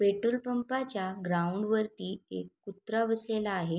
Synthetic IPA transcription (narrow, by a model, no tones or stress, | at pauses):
peʈɾulpəmpat͡ɕjaɡɾauɳɖʋəɾt̪iːḛkːut̪ɾabəslelaːɦe